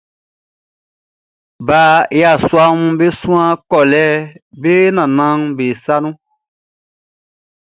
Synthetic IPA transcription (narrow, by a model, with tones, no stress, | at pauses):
ba˨˦e˦a˨swa˦mũ˦be˦sũ˦ã˦kɔ˨lɛ˦be˦nã˨nã˦ŋbe˨sa˦nũ˦